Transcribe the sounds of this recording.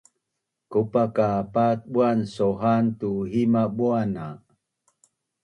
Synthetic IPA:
kupakapat̪̚ɓuansoɦant̪uɦimaɓuana

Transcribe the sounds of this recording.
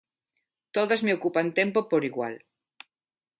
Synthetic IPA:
t̪oðazmeokupant̪empopoɾiɣwa̰l

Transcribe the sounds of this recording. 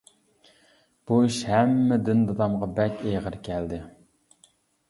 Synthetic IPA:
b̥uiʃhæmːɪd̪ɪnd̪ɑd̪ɑmʁɑbɛkʲeʁəɾkʲʰɛld̪ɪ

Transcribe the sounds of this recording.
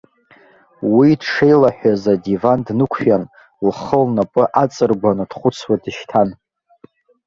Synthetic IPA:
widʂe̞jlaħʷᶣazadivandnɨkʷʰjan | lχəlnapʼɨʔat͡sʼɨrɡʷanɨd̥χʷʊt͡sʰwadɨʃtʰan

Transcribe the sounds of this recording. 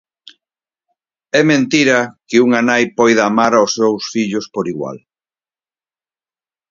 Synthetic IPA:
ɛmẽnt̪iɾɐkɪuŋanajpɔjðaːmaɾaosːewsfiʎʊspoɾiɣwa̰l

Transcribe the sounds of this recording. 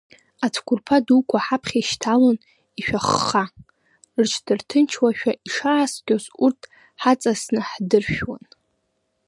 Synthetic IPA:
at͡sʰkʷʰurpʰadukʷʰaħapʰχʲaiʃtʰalon | iʃᶣaχːa | rt͡ʃʰdɨrtʰɨnt͡ʃʰwaʃᶣaʔiʂaːsɡʲʼozurtʰ | ħat͡sʼasnɨħdɨrʃᶣwan

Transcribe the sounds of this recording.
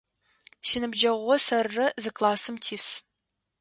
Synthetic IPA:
ʃɪnɨbd͡ʒɐʁʷɔsɐrːɐzɨklaːsɨmtʰiːs

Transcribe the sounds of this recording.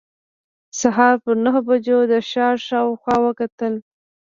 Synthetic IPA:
saɦɑɾpəɾnaɦobad͡ʒod̪əʃɑɾʃɑwxwɑwəkat̪əl

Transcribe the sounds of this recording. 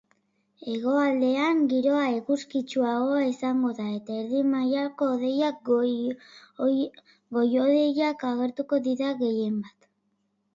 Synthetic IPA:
e̞ɣo̞ald̪e̞aŋɡiɾo̞aekuskit͡ʃuaɣo̞esaŋɡo̞ðae̞t̪aeɾðimajako̞ːðe̞ja | ɡo̞jo̞ðe̞jakaɣ̞e̞ɾt̪uko̞ðiðaɣe̞je̞mbat̪

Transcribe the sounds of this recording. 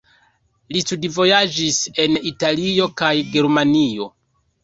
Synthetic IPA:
listudivo̞jad͡ʒise̞nitalio̞kajɡe̞ɾmanijo̞

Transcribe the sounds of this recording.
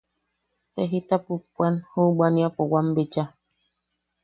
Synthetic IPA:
t̪eɦit̪apupʷːanhubaniapowambet͡ʃa

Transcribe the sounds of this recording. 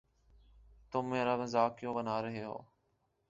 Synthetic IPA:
t̪ʊmːẽːɾaːbẽːzaːkɪjõːbənaːɾəɦeːɦo̰ː

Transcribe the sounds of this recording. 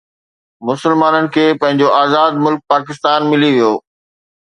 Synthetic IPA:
mʊsəlmaːnənɪ̆kʰeːpɐ̃ɦɪ̃ɲd͡ʑoʔaːzaːd̪mʊlk̚paːk̬ɪst̪aːnmɪliʋijoː

